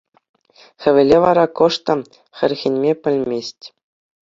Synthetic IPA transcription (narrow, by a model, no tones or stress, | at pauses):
xʲɘ̆ʋʲɘ̆lʲeʋɑɾɑkɤ̆ʂt̪ɤ̆ | xʲɘ̆rʲɣʲĭnʲmʲepʲɘ̆lʲmʲesʲtʲ